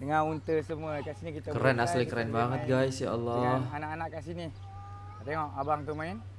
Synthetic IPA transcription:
dəŋanunt̪əsəmuəkasinikit̪əkəɾanaslikəɾanbaŋət̪̚ɡajsja̰ʔalːɔhanaʔanaʔkasini | at̪eŋɔʔabaŋt̪umaɪn

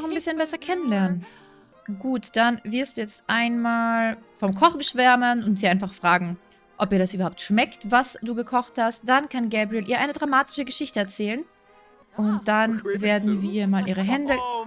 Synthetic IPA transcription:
ɔχanbɪsçənbɛsɐkʰɛnənlɛɐnən | ɡ̥uːtd̥anvɪɐstd̥uːjɛt͡stʔaɪnmaːlfɔmkʰɔχɡ̥əʃv̥ɛɐmənʊntz̥iːʔaɪnfaχfʁ̥aːɡŋ̩ | ʔɔp̚iːɐdasʔyːbɐhaʊp̚tʃmɛktvasd̥uːɡəkʰɔχthast̚d̥ankʰanɡɛːbʁiɛlʔiːɐʔaɪnədʁamaːtɪ̥ʃəɡəʃɪçtəɛɐt͡sɛːlən | ʔʊnt̚d̥anveːɐdn̩viːɐmaːlʔiːʁ̞əɦɛndə

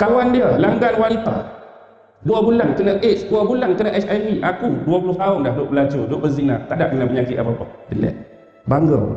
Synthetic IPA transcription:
kawandiəlaŋɡanwanit̪a | duabulankənəʔet͡ʃkuabulankənəʔɛt͡ʃajviʔakuduapuluht̪aundadoʔbəlat͡ʃodoʔbəziŋnaht̪adaʔkənəbəɲakiʔa̰papəbḭlɛ̰ | baŋɡə

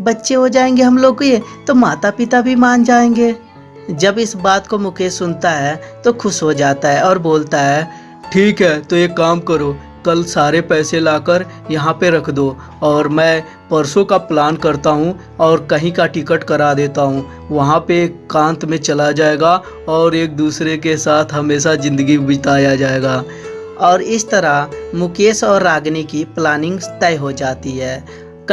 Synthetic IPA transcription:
bɐtːʃeɦod͡ʒaːẽːŋɡeɦɐmloːɡ̚koet̪omaːt̪apɪt̪abʱimaːnd͡ʒaːẽːŋɡeː | d͡ʒɐbɪsbaːt̪komʊkʰesʊnt̪aɦɛt̪oxʰʊʃɦod͡ʒaːt̪aɦɛɔːɾboːlt̪aɦɛː | ʈʰiːkɦɛːt̪ojekːaːmkəɾoː | kɐlsaːɾepɛːselaːkəɾ | jɐɦãpeɾɐkʰd̪oː | ɔːɾmɛ̃ː | pəɾsõkaplaːnkɐɾt̪aɦũ | ɔːɾkɐɦĩkaʈɪkəʈkɐɾad̪eːt̪aɦũ | ʋɐɦãpekãːnt̪mẽt͡ʃɐlad͡ʒaːeːɡa | ɔːɾeːk̚d̪uːsɾekesaːt̪ʰɦɐmeːsazɪ̃nd̪əɡibɪd͡ʒt̪aːjad͡ʒaːeːɡaː | ɔːɾɪst̪əɾamʊkeːsɔːɾːaːɡnikiplaːnɪ̃ŋɡt̪ɛːɦod͡ʒaːt̪iɦɛː

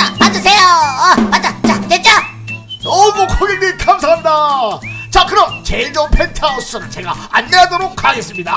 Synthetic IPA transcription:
amad͡ʑʌs̬ʰejomad͡ʑat͡ɕaket͡ɕ͈o | ʌmwʌkʰʌɡiɡekʰamsʰaŋɦanda | t͡ɕakɯɾʌnt͡ɕeid͡ʑʌnpʰeɭtʰaos͈ɯɾt͡ɕeɡa̰anːeadoɾokʰaɡe̞s͈ɯmɲida

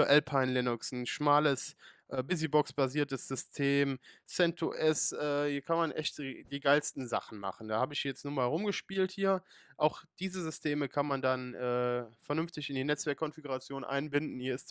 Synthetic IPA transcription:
ʔɛlpʰaɪnlɪnʊksn̩ʃmaːləsʔɛːbɪzibɔksb̥aziːɐtəsz̥ʏstʰeːmsɛntʰuʔɛsʔɛːhiːɐkʰanmanʔɛçtːd̥iːɡaɪlstn̩za̰χn̩ma̰χn̩d̥aːhaːbəɪçjɛt͡stnuːɐmaːlʁʊmɡəʃpiːlthiːɐʔaʊxd̥iːzəzʏstʰeːməkʰanmandanʔɛːfɛɐnʏnftɪçɪndiːnɛt͡sv̥ɛɐkʰːɔnfiɡuʁat͡sjoːnʔa̰ɪnbɪndn̩hiːɐɪst

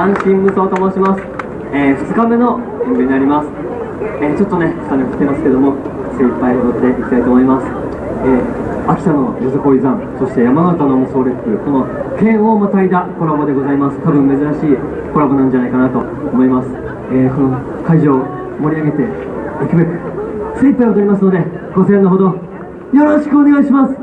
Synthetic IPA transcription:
ãɰ̃ɕĩmːɯ̟saːt̪omoːɕimasɨ̥ | eːɸɯ̥t͡sɨ̥kambeno̞ | ẽmɡeɲʲːinaɾʲimasɨ̥ | eːt͡ɕo̞t̪ːo̞ne̞ko̥t̪anekt̪ːe̞masɨ̥ke̞d̪o̞mo̞ | se̞pːaiot̪ːe̞ʔikʲi̥t̪ait̪oːmoimasɨ̥ | eː | akʲi̥sano̞joseko̞ːizãn | so̞ɕi̥t̪e̞jamanat̪anomoso̞ːɾepːɯ̟ko̞no̞kẽ̞ɰ̃o̞mataid̪ako̞ɾabad̪e̞ɡo̞zaimasɨ̥t̪abɯ̟̃mmːe̞zɨɾaɕiː | ko̞ɾabanãɲ̟d͡ʑanaikanat̪o̞ | omo̞imasɨ̥ | eːko̞no̞ | kaiʑoː | mo̞ɾʲiaɡe̞t̪e̞ | ikɯbe̞kɯ̟se̞ipːaiot̪oɾʲimasɨno̞d̪e̞ɡ̥o̞sẽnoɦod̪o̞ | jo̞ɾo̞ɕi̥kɯ̟one̞ɡaiɕimasɨ̥

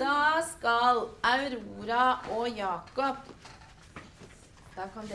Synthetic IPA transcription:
d̪̥ɑːskɑlɑʉɾuːɾɑʔoːjɑːkɔp | d̪̥ɑːkʰɑnd̪

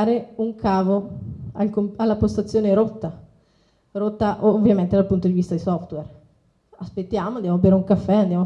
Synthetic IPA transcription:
ɾeuŋkaːvoalkomalːapost̪at̪sːjoːneɾot̪ːa | ɾot̪ːaʔvːjament̪ed̪alpunt̪od̪ivist̪ad̪isɔft̪wɛr | aspet̪ːjaːmoand̪jamabeːɾeuŋkafːɛand̪jamo

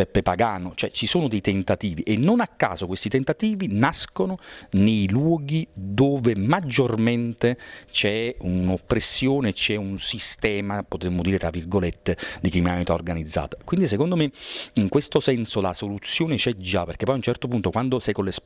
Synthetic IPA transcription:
ɛpːepaɡaːnot͡ʃoɛt͡ʃisoːnod̪ejt̪ent̪at̪iːviʔenːonakːa̰ːzokwest̪it̪ent̪at̪iːvinaskononejlwɔːɡid̪oːvemad͡ʒːorment̪et͡ʃɛunopːɾesːjoːneːt͡ʃːɛunsist̪ɛːmapot̪ɾemːod̪iːɾet̪ɾavːirɡolet̪ːed̪ikɾiminamit̪aorɡanid̪zːa̰ːt̪ḁkwind̪isekond̪omeiŋkwest̪osɛnsola̰solut̪sːjoːnet͡ʃɛd͡ʒapeɾrkepːɔjunt͡ʃɛrt̪opunt̪okwand̪osɛjkoles

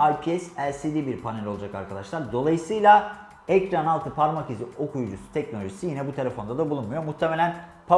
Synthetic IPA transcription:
ajpʰiɛsæɾsid̪ibiɾpʰanelʲolˠad͡ʒakaɾkʰad̪aʃlˠaɾd̪o̞lˠajɯsɯjlˠa | ɛcɾanalˠt̪ʰɯpʰaɾmakizio̞kʰujud͡ʒusu̥t̪ʰɛc̚no̞lʲo̞ʒisijinɛbut̪ʰe̞lʲefo̞nd̪ad̪abulˠunmujo̞muht̪ʰemelʲæn | pʰa

